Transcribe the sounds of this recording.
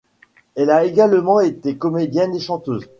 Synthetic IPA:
ɛlaeɡalmɑ̃et̪ekɔmed̪jɛneʃɑ̃t̪øːz

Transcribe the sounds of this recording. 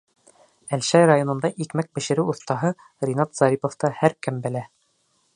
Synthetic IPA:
ælʃæjrajonɤ̆nd̪ɑʔikmæk̚bɘ̆ʃɘ̆ɾɘwuθt̪ɑɦɤ | rʲinɑt̪z̥ɑɾʲipŏft̪ɑhæɾkɘmbɘ̆læ

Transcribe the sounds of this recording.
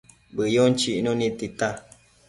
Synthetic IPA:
bɨjont͡ʃiʔnõnĩt̪it̪a

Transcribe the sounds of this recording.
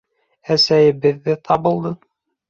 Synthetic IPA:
æsæjɘbɘ̆ðːɘt̪ʰɑβɤ̆lˠd̪ɤ

